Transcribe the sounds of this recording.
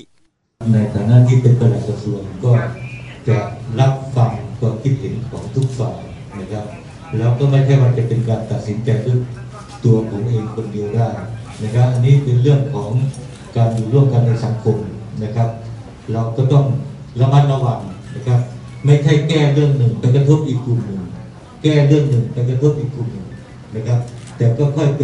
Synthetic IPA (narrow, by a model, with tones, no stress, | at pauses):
p̚na˧jt̪ʰaː˨˩naː˥˨niː˥˩pe˧npa˧la˨˩t̪̚ːa˧su˧ənkɔː˥˩t͡ɕa˨˩ɾa˦˥p̚fa˧ŋkɔː˧˩kʰi˦˥t̪̚he˩˦nkʰɔː˩˦ŋt̪ʰu˦˥k̚faː˨˩k | na˦˥kʰa˦˥p̚ | lɛː˦˥wkɔː˥˩ma˥˩jkʰa˥˩jwaː˧t͡ɕa˨˩pe˧nkaː˧nt̪a˨˩t̪̚si˩˦nt͡ɕa˧jt̪ʰɯ˦˥˩ | t̪u˧ɐkʰɔː˩˦ŋʔeː˧ŋkʰo˧ndi˧əwdaː˥˩jna˦˥kʰa˦˥p̚ʔa˧nːiː˦˥˩pe˧nlɯ˥˩əŋkʰɔː˩˦ŋ | kaː˧njuː˨˩ɾu˥˩əmka˧˨nːa˧jsa˩˦ŋkʰo˧mna˦˧˥kʰa˦˥p̚ | ɾa˧wkɔː˧˩t̪ɔ˧˥˩ŋla˧ma˧˥t̪̚la˧wa˧ŋna˧˥kʰa˦˥p̚ | ma˥˩jkʰa˧˥˩jkɛː˥˩lɯ˥˩əŋnɯ˨˩ŋpa˧˥tka˧t̪ʰo˥˩t̪̚ʔiː˨˩kːu˨˩nːɯ˨˩ŋ | kɛː˥˩lɯ˥˩əŋnɯ˨˩ŋpa˧˥ka˧t̪ʰo˥˩t̪̚ʔiː˨˩k̚ːu˨˩nːɯ˨˩ŋ | na˧˥kʰa˦˥p̚t̪ɛː˨˩kɔː˥˩kʰɔ˧˥˩jp